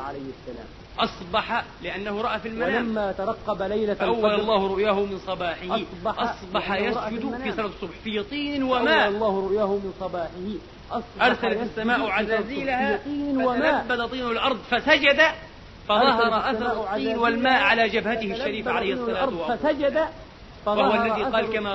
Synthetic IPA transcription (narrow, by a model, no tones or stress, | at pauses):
ʕalajhsːala̰ːm | ʔɑsˤbɑħalɪʔanːahʊɾˤɑʔaːfilmaaamːaːt̪ɑɾˤɑqːɑbalajlaʔawːalɑlˤːɑːhʊɾˤʊʔjaːhʊmɪnsˤɑbɑːħɪhɑsbɑʔɑsˤbɑħajasd͡ʒʊd̪ffisˤɑlat̪ɨsˤːʊbħfijɑt̪ˤiːnnwamaːlˤːɑːhɾʊʔjaːhʊmɪnsˤɑbɑːħɪh | ʔɑsˤʔɑɾsalaassːamaːʔwʕazaːziːlahat̪ˤiːnwaabːad̪ɑt̪ˤiːnalʔɑɾˤd̪ˤfasad͡ʒad̪a | fɑðˤɑɦɑɾˤɑʔaθɾˤʕˤiːnnwalmaːʔʕalaːd͡ʒabhat̪ɪhɪʃʃːaɾiːfʕalajhsːɑlːaɑɾˤdʔaad͡ʒad̪a | fɑwahwalːaðiːqɑːlkama